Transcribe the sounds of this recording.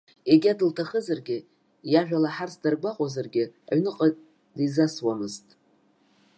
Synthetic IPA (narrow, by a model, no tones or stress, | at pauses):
eɡʲadɨltʰaχəzarɡʲɪ | jaʒᶣalaħart͡sdarɡʷaqʷʼazarɡʲɪa̰ɥnɨqʼa | dizaswamɨztʼ